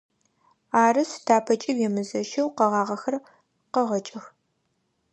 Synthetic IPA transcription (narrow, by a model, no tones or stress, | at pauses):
aːrɨstʰaːpʰɐt͡ʃʼɪwjɛmɨzɐʃɐwqɐʁɑːʁɐxɐr | qɐʁɐt͡ʃʼɪx